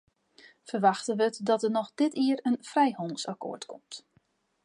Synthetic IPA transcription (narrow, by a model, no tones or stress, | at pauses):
fərʋaxtəʋətdɔtənɔxdɪtiəɾənfrɛjhɔnəsako̰ːɹtkʰɔmt